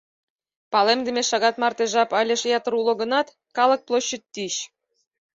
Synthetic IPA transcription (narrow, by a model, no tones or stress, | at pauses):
pɑlemd̪ĕmʲeʃɑɣɑt̪mɑrt̪eʒɑpɑlʲĕʃjɑt̪ɤ̆ɾulˠŏɡɤ̆nɑt̪ | kɑlˠɤ̆k̚plˠoɕːə̆t̪ːiɕ